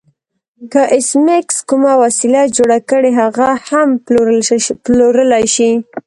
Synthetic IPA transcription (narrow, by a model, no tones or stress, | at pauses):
kaʔɪsmekskumawasilad͡ʒoɽakəɽeɦaɣaham | ploɾəlajʃi